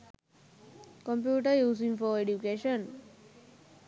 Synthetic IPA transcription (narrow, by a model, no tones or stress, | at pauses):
kɔ̃mpjuːʈəjuːsĩŋfɔeɖjukeʃə̃n